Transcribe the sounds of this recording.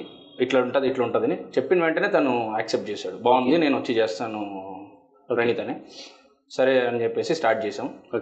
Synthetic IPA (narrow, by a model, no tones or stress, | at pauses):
iʈlɐːuɳʈaːd̪iʈlɐːuɳʈɐd̪ɐnit͡ʃepːinɐʋeɳʈɐneːt̪ɐnuaːksep̚ʈ̚t͡ʃɛːsaːɽubaːnd̪ine̞ːnuʋɐt͡ʃːit͡ʃeːst̪aːnu | ɾɐnit̪ɐne | sɐɾeɐnit͡ʃepːe̞ːsisʈaːɾʈ̚t͡ʃɛːsaːmu